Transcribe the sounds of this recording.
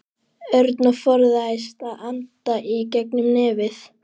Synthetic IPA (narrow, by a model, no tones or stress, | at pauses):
œɾt̪nafɔɾðaajst̪aðant̪aʔicɛknʏmnɪːvɪθ